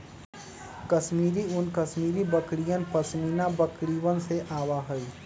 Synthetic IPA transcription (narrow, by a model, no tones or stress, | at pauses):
kəʃmiːɾiʊnkəsmiːɾibəkɽijənpəsmiːnabəkɽiwənseʔaːwaɦɛi